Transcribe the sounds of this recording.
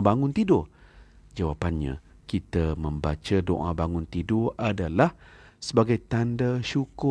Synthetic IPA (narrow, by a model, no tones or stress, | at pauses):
baŋʊnt̪idʊ | d͡ʒawapanɲã̰ | kit̪əmə̃mbat͡ʃado̰ʔabaŋʊnt̪idʊʔadalah | səbaɡajt̪andaʃukʊ